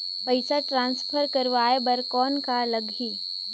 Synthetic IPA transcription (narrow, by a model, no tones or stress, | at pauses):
pəɪsaʈɾãːnspʰəɾkɐɾʋaːebɐɾkɔːnkalɐɡɦiː